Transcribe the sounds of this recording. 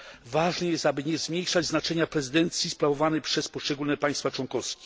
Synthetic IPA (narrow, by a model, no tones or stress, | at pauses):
vaʐnɛjɛst̪abɘɲɛzmʲjejʂad͡ʑznat͡ʂɛɲapɾɛzɘd̪ɛnt̪sʲjispɾavɔvanɛjpʂɛspɔʂt͡ʂɛɡulnɛpaj̃st̪fat͡ʂwɔŋkɔskʲi̥